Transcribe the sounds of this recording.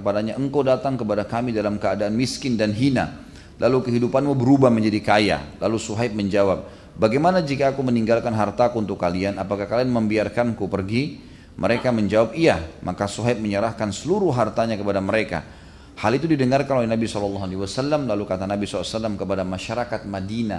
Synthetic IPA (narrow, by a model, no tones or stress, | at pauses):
əpadaɲaʔəŋkawdat̪aŋkəpadakamidalamkəadaʔanmiskɪndanɦina̰ | lʔalukəɦidupanmubəɾubahməɲd͡ʒadikaja̰lalusuɦaɪp̪̚məɲd͡ʒawap̚ | baɡamanad͡ʒikaːkuməniŋɡalkanɦart̪akuːnt̪ʊkːalianapakahkalianməmbiarkankupərɡi | mʔəɾekaməɲd͡ʒawap̚iamakasuɦaɪp̚məɲəɾahkansəluɾuɦart̪aɲakəpadaməɾeka̰ | halit̪udidəŋarkanolɛɦnabisɔlɔlːɑɦalewasalːamlalukat̪anabisɔlsalːamkəpadamaʃaɾakat̪̚madina̰